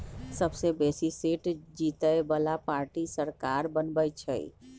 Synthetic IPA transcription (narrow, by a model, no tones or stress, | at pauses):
səbsebesisiʈd͡ʒit̪əjbəlapaɾʈisəɾkaɾbənbəjt͡ʃʰə̰j̰